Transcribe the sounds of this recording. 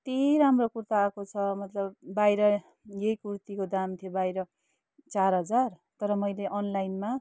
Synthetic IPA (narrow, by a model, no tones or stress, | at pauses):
t̪iɾamrokurt̪aːkot͡sʰʌmʌt̪lʌb̚ːajɾʌ | jejkurt̪ikod̪amt̪ʰijobajɾʌ | t͡sarɦʌd͡zar | t̪ʌɾʌmʌjleʔʌnlajnma